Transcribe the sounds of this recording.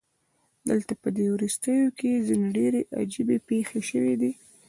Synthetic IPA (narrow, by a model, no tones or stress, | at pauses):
d̪əlt̪apəd̪ewɾust̪əjokezineɖeɾeʔa̰d͡ʒibepexeʃəwid̪i